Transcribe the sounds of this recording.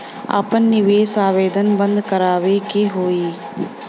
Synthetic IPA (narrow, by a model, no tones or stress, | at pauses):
a̰ːpənːɪʋeːsaːʋeːd̪ənbə̃nd̪kəɾaːʋekeɦoːiː